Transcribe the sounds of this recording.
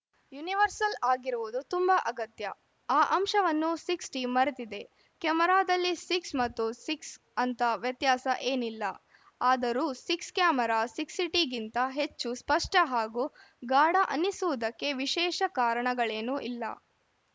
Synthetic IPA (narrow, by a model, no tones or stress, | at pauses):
juniʋɐɾsɐlaːɡiɾuʋud̪ut̪umbɐʔɐɡɐt̪jɐ | aːʔɐmʃɐʋɐnːusiksʈiːmːɐɾet̪id̪e̞ | kɛmɐɾaːd̪ɐlːisiksmɐt̪ːusiks | ɐnt̪ɐʋjɐt̪jaːsɐʔeːnilːɐ | aːd̪ɐɾuːsikskjaːmɐɾaːsiksiʈiɡint̪ɐɦe̞t͡ʃːuspɐʂʈɐɦaːɡuː | ɡaːɽɐʔɐnːisuʋud̪ɐkːe̞ʋiʃɛːʃɐkaːɾɐɳɐɡɐɭeːnuʔilːɐ̰